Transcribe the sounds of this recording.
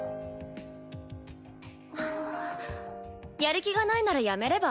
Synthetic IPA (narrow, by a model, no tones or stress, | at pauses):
a | jaɾɯ̟kʲiɡanainaɾajame̞ɾe̞ba